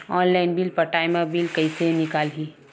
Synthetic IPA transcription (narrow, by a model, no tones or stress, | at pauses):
ɔːnlaːɪnbilpɐʈaːɪmabilkɐisenɪkaːlɦiː